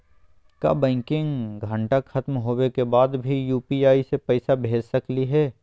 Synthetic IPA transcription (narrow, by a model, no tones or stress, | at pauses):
ka̰ːbɛ̃ːŋkɪ̃ŋɡɡʱə̃ɳʈaxʰɐt̪mɦoːwekebaːd̪bʱijuːpiaːisepɛːɪsabʱeːd͡ʒsɐkliɦɛː